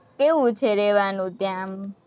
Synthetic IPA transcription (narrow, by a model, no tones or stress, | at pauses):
keʋũt͡ʃʰeɾɛʋanũt̪jãm